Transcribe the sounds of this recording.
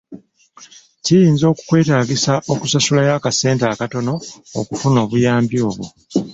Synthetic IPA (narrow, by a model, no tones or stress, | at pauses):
cijiːnzo̞ːku̥kwe̞ːtaːɡisaʔo̞kusasulajaːkase̞ːntaːkato̞no̞̰ːkufuno̞ːβujaːmbjo̞ːβwo̰